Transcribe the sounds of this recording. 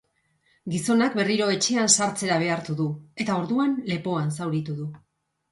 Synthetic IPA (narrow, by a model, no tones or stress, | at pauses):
ɡiso̞nakbe̞riɾo̞e̞t͡ʃe̞ansaɾt͡se̞ɾaβ̞e̞aɾt̪uðue̞t̪ao̞ɾðuanle̞po̞ansawɾit̪uðu